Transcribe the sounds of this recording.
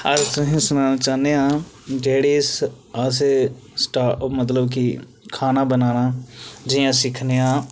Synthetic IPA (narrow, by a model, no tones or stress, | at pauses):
əɾsʊɦĩːsʊnaːnaːt͡ʃaːneːãːd͡ʒeːɽiːs | əse | sʈaːmət̪̬ləbki | kʰaːnaːbənaːnaːd͡ʒɪjãːsɪkʰneːãː